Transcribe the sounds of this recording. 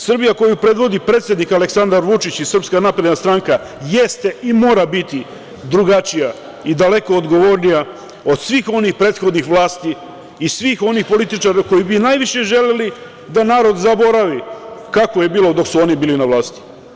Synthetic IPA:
sr̩bijako̞jupɾe̞d̪ʋo̞d̪ipɾet̪sʲje̞d̪nikale̞ksand̪aɾʋut͡ʃit͡ɕisr̩pskanaːpɾe̞d̪nast̪ɾaŋka | jest̪e̞imo̞ːɾabit̪i | d̪ɾuɡat͡ʃija | id̪ale̞ko̞ːd̪ɡo̞ʋo̞ːɾnija | o̞d̪sʋiːxo̞nixpɾe̞ːt̪xo̞d̪nixʋlˠaːst̪iː | sʋiːxo̞nixpo̞lit̪it͡ʃaɾako̞jibinaːjʋiʃe̞ʒe̞leli | d̪anaːɾo̞d̪zabo̞ɾaʋikakoje̞biːlo̞d̪o̞ksuo̞nibiːlinaʋlˠaːst̪i̥

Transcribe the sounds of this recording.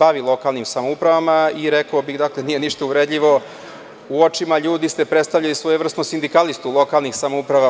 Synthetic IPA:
baʋilˠo̞kalˠnimsamoupɾaʋamaiɾekaobixd̪aklenije̞niʃt̪ouɾed̪ʎiʋo̞ | uo̞t͡ʃimaʎuːd̪ist̪epɾet̪st̪avʎalisʋojeʋr̩st̪nosind̪ikalist̪ulˠo̞kalˠnixsamoupɾaʋa

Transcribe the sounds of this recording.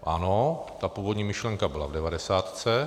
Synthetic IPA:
ʔanot̪apuːvodɲiːmɪʃlɛŋkabɪlavdɛvadɛsaːt̪t͡sɛ

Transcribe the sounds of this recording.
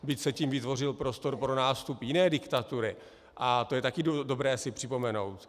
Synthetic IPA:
bɪcsɛciːmvɪt̪vo̞r̝ɪlpɾo̞st̪o̞ɾpɾo̞naːst̪upjɪnɛːdɪkt̪at̪uɾɪ | ʔat̪o̞jɛt̪akɪdodo̞bɾɛːsɪpr̝̥ɪpo̞mɛno̞̰wt̪

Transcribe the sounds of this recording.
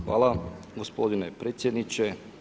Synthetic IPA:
xʋa̰ːlˠaɡospod̪inepɾeːt̪sjed̪nit͡ʃe

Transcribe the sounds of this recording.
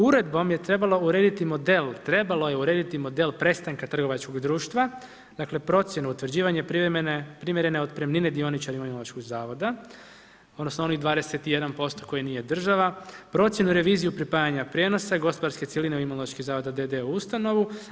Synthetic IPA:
uɾe̞d̪bo̞mje̞t̪ɾe̞balˠo̞uɾe̞ːd̪it̪imo̞d̪e̞lˠt̪ɾe̞balo̞je̞uɾeːd̪it̪imo̞d̪e̞lpɾe̞st̪aŋkat̪r̩ɡo̞ʋat͡ʃko̞ɡd̪ɾuːʃt̪ʋa | d̪̥akle̞pɾo̞t̪sjenuut̪ʋrd͡ʑiːʋaɲepɾinpɾimʲjeɾe̞neo̞d̪pɾemnine̞d̪io̞nit͡ʃaɾioimolaʃkoɡzaːʋo̞d̪a | od̪no̞snoo̞niɣd̪ʋaːd̪e̞set̪ije̞d̪anpo̞st̪o̞ko̞jinije̞d̪r̩ʒaʋapɾo̞t̪sje̞nuɾe̞ʋiːzijupɾipaːjaɲapɾjeːno̞saɡo̞spo̞d̪aɾske̞t̪ilineuimoloaʃkizaːʋo̞d̪ad̪ed̪euust̪ano̞ʋu

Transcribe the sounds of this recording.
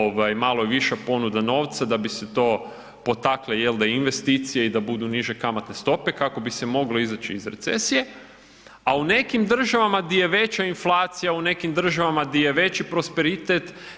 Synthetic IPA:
oʋajmalojeʋiʃapo̞nud̪ano̞ːʋt̪sad̪abiset̪o̞ː | po̞t̪aklejeld̪einʋe̞st̪it̪sije̞id̪abud̪uniʒe̞kamat̪ne̞st̪o̞pe̞kako̞bisemo̞ɡleizat͡ʃiːzɾe̞̰t̪se̞̰sije̞ | aune̞kimd̪r̩ʒaʋamaɡd̪ijeʋe̞t͡ɕainflˠaːt̪sijaune̞kimd̪r̩ʒaʋamaɡd̪ijeʋe̞t͡ʃipɾo̞spe̞ɾit̪et̪

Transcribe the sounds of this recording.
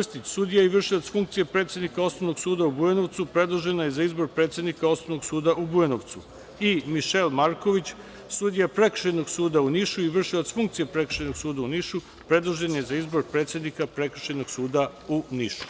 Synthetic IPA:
st̪itsud̪ijaiʋr̩ʃilot̪sfuŋkt̪sijepɾe̞ːt̪sʲjed̪nikao̞snoʋnoɡ̥suːd̪aubueno̞ʋt̪supɾe̞d̪lˠoʒe̞najezaizbo̞ɾpɾet̪sje̞d̪nikao̞snoʋno̞ɡsuːd̪aʔubuenoʋt̪su | imiʃelmaɾko̞ʋit͡ɕ | sud̪ijapɾe̞kr̥̩ʃeno̞ɡsuːd̪auniʃuiʋr̩ʃilot̪sfuŋkt̪sijepɾe̞kr̥̩ʃenoɡ̥suːd̪auniʃu | pɾe̞d̪lˠoʒe̞nje̞zaizbo̞ɾpɾe̞t̪sjed̪nikapɾe̞kr̩ʃenoɡ̥suːd̪a | uniʃu̥

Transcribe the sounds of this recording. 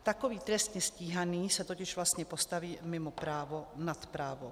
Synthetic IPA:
t̪akɔʋiːt̪ɾɛst̪ɲɛsciːɦaniːsat̪ɔcɪʒvlast̪ɲɛpɔst̪aʋiːmɪmɔpɾaːʋɔnat̪pɾaːʋɔ

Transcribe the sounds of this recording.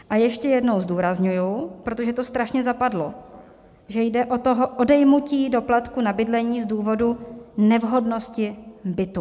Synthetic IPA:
ʔajɛʃcɛjɛdno̞wzduːɾazɲujupɾo̞t̪o̞ʒɛt̪o̞st̪ɾaʃɲɛzapadlo | ʒɛjdɛʔo̞t̪o̞ɦoʔo̞dɛjmuciːdo̞plat̪kunabɪdlɛɲiːzduːvo̞dunɛvɦo̞dno̞scɪbɪt̪u

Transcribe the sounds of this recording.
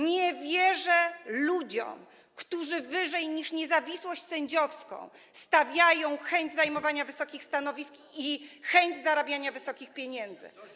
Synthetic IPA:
ɲɛvʲjɛʐɛlud͡ʑɔ̰m | kt̪uʐɘvɘʐɛjɲiʂɲɛzavʲiswɔɕt͡ɕʲsɛɲd͡ʑɔfskɔ̰̃w̃ | st̪avʲjajɔ̃w̃xɛɲd͡ʑzajmɔvaɲavɘsɔkʲixst̪anɔvʲisk | ixɛɲd͡ʑzaɾabʲjaɲavɘsɔkʲixpʲjeɲɛnd̪zɘ̰

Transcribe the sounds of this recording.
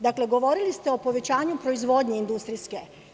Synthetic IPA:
d̪akle̞ɡo̞ʋo̞ɾilist̪e̞o̞po̞ʋe̞t͡ɕaːɲupɾo̞izʋo̞d̪ɲeind̪ust̪ɾiske̞

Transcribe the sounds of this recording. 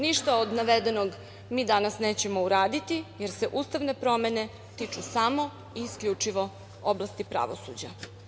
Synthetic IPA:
niʃt̪aod̪naʋed̪e̞noɡ | miːd̪anasneːt͡ɕe̞mo̞uɾaːd̪it̪ijeɾse̞ʔuːst̪aʋne̞pɾo̞me̞ne̞ | t̪it͡ʂusamo̞ | iːskʎut͡ʂiʋo̞ | oblast̪ipɾa̰ʋo̞̰sṵd͡ʑa̰

